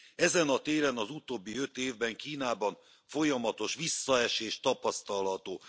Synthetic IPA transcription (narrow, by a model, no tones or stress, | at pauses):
ɛzɛnɒt̪eːɾɛnɒzut̪oːbːiø̞t̪eːvbɛŋkiːnaːbɒɱ | fo̞jɒmɒt̪o̞ʃʋisːɒɛʃeːʃt̪ɒpɒst̪ɒlɦɒt̪oː